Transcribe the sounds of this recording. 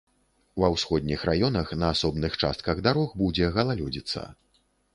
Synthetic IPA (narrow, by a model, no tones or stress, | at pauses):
wɐwsxɔd̪ʲnʲixrajɔnɐxnɐːsɔbnɨxt͡ʂa̰st̪kɐɣd̪aɾɔxbud͡zʲɛɣɐlˠalʲɔd͡zʲit̪sːɐ̰